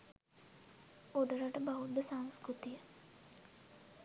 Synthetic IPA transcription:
od̪əɾaʈəbaɦud̪əsaŋskɾut̪ijə

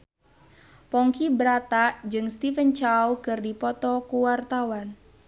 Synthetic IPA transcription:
pɔŋkibəɾat̪aʔd͡ʒɨŋst̪ifənt͡ʃawkɨrdipɔt̪ɔkuwart̪awan

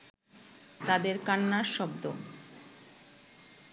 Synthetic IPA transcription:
t̪ad̪eɾkanːaɾʃɔbd̪o

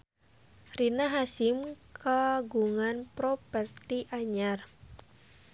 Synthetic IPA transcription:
rinaɦasimkaɡuŋanpɾɔpɛrt̪iʔaɲar

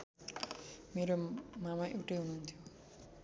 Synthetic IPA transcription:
meɾomamaʔewʈeɦununt̪ʰjo

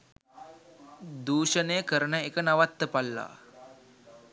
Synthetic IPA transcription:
d̪uːʃənejəkəɾənəekənaʋat̪ːəpalːa̰ː

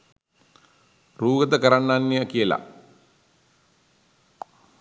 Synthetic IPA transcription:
ruːɡət̪əkəɾanːanːijəkijəla̰

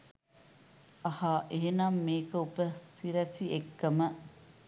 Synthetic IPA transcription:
ɐhaːʔeːnaːmːeːkɐupɐsiɾɐsiekːɐmɐ

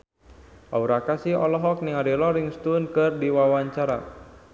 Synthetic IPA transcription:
ʔauɾakasiɔlɔɦɔk̚niŋaɾilɔɾiŋst̪unkɨrdiwawaɲt͡ʃaɾa̰

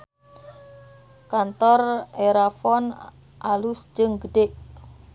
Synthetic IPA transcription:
kant̪ɔreɾafɔn | ʔalusd͡ʒəŋɡəɖeʔ

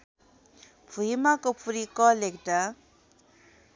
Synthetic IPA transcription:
pʰuɦimakopʰuɾikɔlekʈa

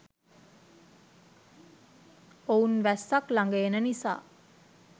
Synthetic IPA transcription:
ounʋæsːaklaŋɡəjenənisa̰ː

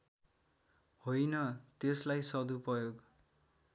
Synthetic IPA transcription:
hojnʌt̪eslajsʌd̪uprʌjoɡ

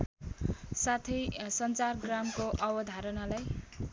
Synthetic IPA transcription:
sat̪ʰʌjsʌnt͡sarɡramkoʔʌbʌd̪ʱaɾʌnalaj

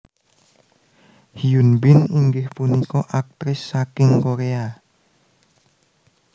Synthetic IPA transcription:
hiunbɪniŋɡɪhpunikɔʔak̚t̪ɾɪsːakɪŋkoɾea

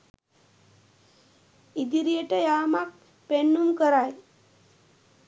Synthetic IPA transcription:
id̪iɾieʈəjamak̚ | penːumkəɾaj

